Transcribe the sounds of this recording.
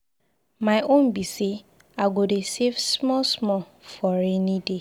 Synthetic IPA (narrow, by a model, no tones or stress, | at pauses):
maɪʔõnbise | aɡodesevsmɔsmɔ | fɔɹɛnide